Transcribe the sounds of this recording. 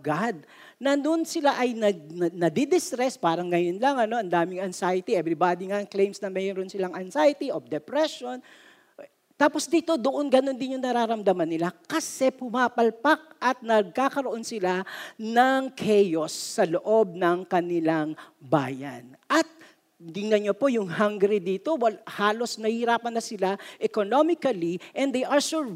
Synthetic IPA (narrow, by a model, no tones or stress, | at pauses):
ɡad̪̚ | nɐd̪ʊnsɪlaʔɐjnɐɡ̚nɐd̪id̪ɪst̪ɾɛspaːɾɐŋːɐjonlɐŋɐno̞ɐnd̪aːmɪŋɐnsajɐt̪iʔɛbɾɪbaːd̪iŋaŋklejmsnɐmɛjoɾonsɪlaŋʔɐnsajɐt̪iʔofd̪ɛpɾɛʃo̞n | t̪aːposd̪iːt̪o̞d̪oʔo̞nɡɐno̞nd̪ɪnjʊŋnɐɾaːɾɐmd̪ɐmɐnːɪlakɐsɛpʊmaːpɐlpak̚ʔɐt̪̚nɐɡ̚kaːkɐɾoʔo̞nsɪlanɐŋkʰɛjosːɐloʔob̚nɐŋkɐnɪlaŋba̰ːjɐ̰nʔɐt̪̚ | ɡ̪ɪŋnɐɲopo̞jʊŋhaŋɡɾɛd̪iːt̪o̞wɐhaːlo̞snɐhiɾaːpɐnːɐsɪlaʔɛkonomɪkɐliʔɛnd̪ejʔɐɹsuɹ